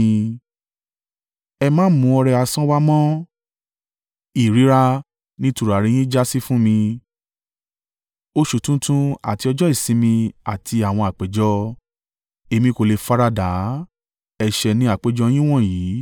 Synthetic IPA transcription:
ɛ˧mã˦mũ˧˦ɔ˧ɾɛ˧a˧sã˦wa˦mɔ̃˦ | i˨ɾi˨˦ɾa˦˧ | nĩ˦tu˧ɾa˨ɾe˧j̃ĩ˦d͡ʒa˦si˦fũ˦mĩ˧ | o˦ʃu˨tũ˦tũ˦a̰˨ti˧ɔ˧d͡ʒɔ˦i˦˨sĩ˨˦mĩ˧a˨tʰi˧a˨w̃ɔ̃˧a˨k͡pe˨˦d͡ʒɔ˧˦ | e˧mĩ˧ko˨le˧fa˦ɾa˧da˨˦ | ɛ˧ʃɛ˧nĩ˧˦a˦˨k͡pe˨˦d͡ʒɔ˧˦j̃ĩ˦w̃ɔ̃˦˨jiː˨˦

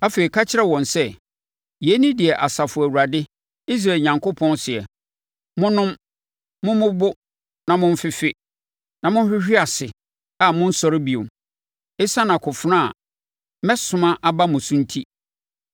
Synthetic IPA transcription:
a˦fe˨ɾi˨kʰa˦t͡ɕʰɪ˦ɾɛ˦wɔ̃˨nsɛ˦ | jɛ˨˦nĩ˦dɪ˨ɛ˨ʔa˨sa˨fʊ˨æ˨wu˨ɾa˨dɪ˦ | i˦s̬ɾa˨ɲã˨ŋko˦pʰɔ̃˦nsɪ˨ɛ˨ | mʊ̃˦nʊ̃˦m | mʊ̃˦mʊ̃˦bʊ˦ | nã˨mʊ̃˦m̩˦fɪ˦fɪ˦ | nã˨mʊ̃˦n˦ɕᶣɪ˦ɕᶣi˦a˨sɪ˨ | a˦˨mʊ̃˦n̩˦sɔ˦ɾɪ˦bi˨õ̰˨m | ɪ˦sa˦nã˨kʰʊ˨fnã˦a̰˨ | mɛ˦sʊ̃˨mã˦ʔa˦ba˦mʊ̃˨sʊ̃˦n̩˦tʰi˦

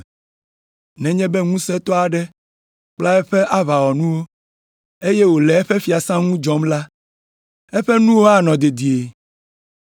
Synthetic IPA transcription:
nɛ̃˨ɲɛ̃˦bɛ˦ŋũ˦sɛ˦t̪ɔ˦a˨ɖɛ˦ | k͡pla˦ɛ˦ɸɛ˦ʔa˦βa˨wɔ˨nũ˦wo˦ | e˦jɛ˦wo˨lɛ˨ɛ˦ɸɛ˦fi˨a˨sã˦ŋũ˦d͡ʒɔ˦mla˦ | ɛ˦ɸɛ˦nũ˦wo˦a˦nɔ̃˨d̪e˨d̪i˨e˨

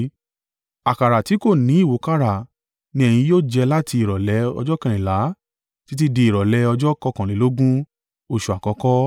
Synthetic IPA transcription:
a˨ka˨ɾa˨ti˨˦ko˦˨nĩ˨˦i˦˨wo˨˦ka˦ɾa˦˨ | nĩ˧˦ɛ˦˨j̃ĩ˧joː˦˨d͡ʒɛ˧la˦ti˧i˨ɾɔ˨lɛ˨˧˦ɔ̰˧d͡ʒɔ˦kɛ̃˨ɾ̃ĩ˨la˨˦ | ti˨˦t̬i˦di˧i˨ɾɔ˨lɛ˧˦ɔ˧d͡ʒɔ˦kɔ˧kã˨ĩ˨˦lo˦ɡũ˦ | o˧ʃu˨a˨kɔ˨˧kɔ˦

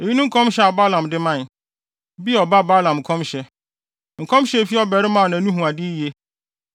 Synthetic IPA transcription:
e˨ji˦nʊ̃˦ŋ̩˦kʰɔ̃˦mɕɛ˦a˨ba˦lã˨mdɪ˦mã˦˨n | bi˦˨ɔ˨ba˦ba˦lã˨m˨kʰɔ̃˦mɕɛ˦ | ŋ̩˨kʰɔ̃˦mɕɛ˦˨fi˦ɔ˦bɛ˨ɾɪ˦mã˦˨nã˨nũ˦ɦũ˨a˨dɪ˦je˦

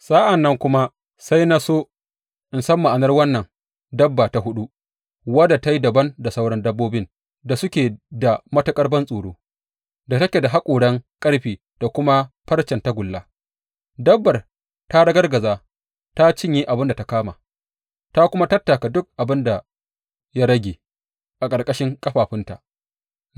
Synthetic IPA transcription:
sʼaː˦ʔa˨nːɐ˦ŋkʷʊ˦ma˦ | sa˦jna˦soː˦ | ʔɪ˨nsɐ˦mːa˨ʔa˨nɐ˦rwɐ˦nːɐ˨ŋ | dɐ˦bːaː˨ta˦ɦʊ˦ɗu˦ | wɐ˦da˨ta˦ji˦dɐ˨bɐ˦nda˨sa˦wɽɐ˦ndɐ˦bːoː˦bɪ˦n | da˨sʊ˦kʲeː˨da˨mɐ˦tɐ˦kʼɐ˦rbɐ˦nsʼuː˨ɽoː˦ | da˨tɐ˦kʲe˨da˨ɦa˦kʷʼoː˨ɽɐ˦ŋkʼɐ˦ɽɸiː˨ | d̥a˨kʷʊ˦ma˦ɸɐ˦rt͡ʃɛ˨nta˦ɡʷʊ˨lːa˦ | dɐ˦bːɐ˨r | ta˦ɽɐ˦ɡɐ˦rɡɐ˨zaː˦ | ta˦t͡ʃɪ˦ɲji˦ʔa˨bɪ˦nda˨ta˦kaː˦ma̰ː˨ | ta˦kʷʊ˦ma˦tɐ˦tːa˨ka˨dʊ˦k̚ʔa˨bɪ˦nda˨ | ja˦ɽɐ˦ɡʲeː˨ | ʔa˨kʼɐ˨ɽkʼɐ˦ʃɪ˦ŋkʼɐ˦ɸaː˨ɸɪ˦nta˨ʔ

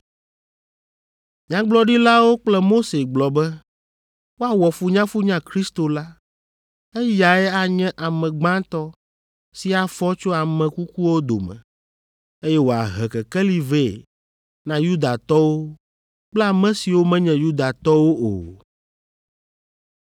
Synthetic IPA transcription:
ɲã˦ɡ͡blɔ˦ɖi˦la˦wo˦k͡plɛ˦mo˦se˨ɡ͡blɔ˨bɛ˦ | wo˦a˨wɔ˨fu˨˦ɲã˦fu˦ɲã˦kɾi˦st̪o˨la˦ | ɛ˦ja˨ɛ˦a˨ɲɛ̃˦ʔa˨mɛ̃˨ɡ͡bã˦t̪ɔ˦ | si˦a˨fɔ˦t͡ʃo˦a˨mɛ̃˨ku˦ku˦wo˦d̪o̰˨mɛ̰̃˨ | e˦jɛ˦wo˨a̰˨ɦɛ˨kɛ˨kɛ˦li˨ve˦˨ | nã˦ju˦d̪a˨t̪ɔ˦wo˦ | k͡plɛ˦a˨mɛ̃˦si˨wo˦mɛ̃˦ɲɛ̃˨ju˦d̪a˨t̪ɔ˦wo˦o̰˨

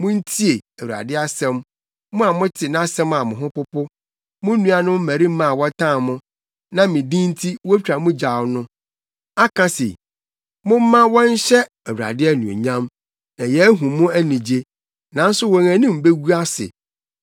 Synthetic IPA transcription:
mʊ̃˦n̩˦tʰi˦e˨æ˨wu˨a̰˨dɪ˦a˦sɛ̃˦m | mʊ̃˦a˨mʊ̃˦tʰɪ˨nã˦sɛ̃˦ma˨mʊ̃˨ɦʊ̃˦pʊ˦pʊ˦ | mʊ̃˦nũ˦a˨nʊ̃˦m̩˦mæ˨ɾi˦m̩˦mã˦˨wɔ˦tʰã˦˨mʊ̃˦ | nã˦mĩ˨dĩ˦n̩˦tʰi˦wɔ˦t͡ɕᶣɾa˨mʊ̃˦d͡ʑa˨wnʊ̃˦ | a˦kʰã˦sḛ˨ | mʊ̃˦m̩˦mã˦wɔ˦n˦ɕɛ˦ | æ˨wu˨ɾa̰˨dɪ˦ɛ˦nũ˨ḛ˨ɲã˦m | nã˨jɛ˨˦æ˦ɦũ˨mʊ̃˦æ˦nĩ˨d͡ʑe˦ | nã˨n̩˦sʊ˦wɔ˨ŋæ̃˨nĩ˦m̩˨be˦ɡu˦a˦sɪ̰˨

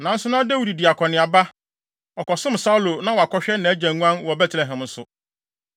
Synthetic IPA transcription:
nã˨n̩˦sʊ˦nã˦dæ˦wi˨di˨di˨a˨kʰɔ˨nɪ̃˨a˨ba˦ | ɔ˨kɔ˨sɪ̃˦m̩˨sa˦u˦lo˨nã˦wɔ˨a˨kʰɔ˦ɕᶣɛ˦nã˨˦d͡ʑæ̃˨ŋũ˦ã˦nwɔ˨bɛ˦tʰlɛ˨ɦɛ̃˨mn̩˦sʊ̰˨

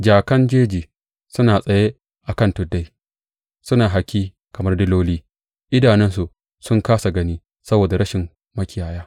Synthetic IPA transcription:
d͡ʒaː˨kɐ˦nd͡ʒeː˦d͡ʒiː˨ | sʊ˦naː˨sʼɐ˨je˦ | ʔa˨kɐ˦˨ntʊ˨dːa˦j | sʊ˦naː˨ɦa˨kʲiː˦ | kɐ˨mɐ˦rdɪ˦loː˦liː˦ | ʔɪ˦daː˨nɪ˦ns̬u˨ʔ | sʊ˦ŋkaː˦sa˨ɡɐ˦niː˦ | sɐ˦boː˨da˨ɾɐ˦ʃɪ˨m | mɐ˦kʲɪ˨jaː˨jaː˦

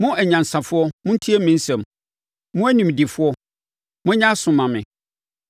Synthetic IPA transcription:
mʊ̃˦ʔæ˨ɲã˨n˨sã˨fʊ˦ɔ˦mʊ̃˦n̩˦tʰi˦ɛ˦mĩ˦n̩˦sɛ̃˨m | mʊ̃˦æ˦nĩ˨m˨di˨fʊ˦ɔ˦ | mʊ̃˦ɲã˦sʊ̃˨mã˨mɪ̰̃˨

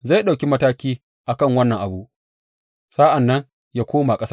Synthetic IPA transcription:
za˦˨jɗa˨kʲi˦mɐ˦taː˦kʲiː˦ | ʔa˨kɐ˦˨ŋwɐ˦nːɐ˨ŋʔa˨bu˦ʔ | saː˦ʔa˨nːɐ˦ŋ | jaː˦kʷoː˦ma˨kʼɐ˦sa˦

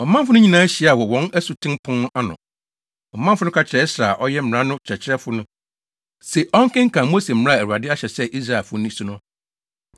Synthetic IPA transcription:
ɔ˨mã˦m˦fʊ˦nʊ̃˦ɲĩ˦nãː˦æ˦ɕi˨˦˨a˨wɔ˨wɔ̃˨˦næ˦su˨tʰɪ̃˦mpʰʊ̃˦n˦a˦nʊ̰̃˨ | ɔ˨mã˦m˦fʊ˦nʊ̃˦kʰa˨t͡ɕʰɪ˨ɾɛ˦sɾaː˨ʔɔ˦jɛ˦m̩˦˨ã˦nʊ̃˦t͡ɕʰɛ˨t͡ɕʰɪ˦ɾɛ˦fʊ˦nʊ̃˦ | se˨ʔɔ̃˦ŋ˦kɪ̃˦ŋ̩˦kʰã˨mo˦se˨m̩˦m̩̃˦ã˦˨ɛ˨ɾa˨dɪ˦a˦ɕɛ˨sɛ˦ʔi˦s̬ɾa˨lfʊ˦nĩ˦sũ˦nʊ̃˦

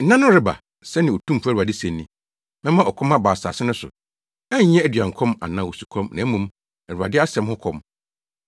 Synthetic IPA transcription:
n̩˦nã˦nʊ̃˦ɾɪ˦ba̰˨ | sɛ˦nɪ̃˨o˨tʰũ˦m̩˨fæ˦˨ɾa˨dɪ˦sɛ̃˨nː˦ĩ˦ | mɛ̃˦mã˦ɔ˨kʰɔ̃˦mã˦baː˨sa̰ː˨sɪ˦nʊ̃˦sʊ̰˨ | ɛ˦ɲ̩˦ɲɛ̃˦æ˦dɥã˨ŋ˨kʰɔ̃˦ma̰˨nã˨˦wo˨su̥˨kʰɔ̃˦mnã˨æ˦mũ˦m | æ˨ɾu˨a̰˨dɪ˦a˦sɛ̃˨mhʊ˦kʰɔ˦m

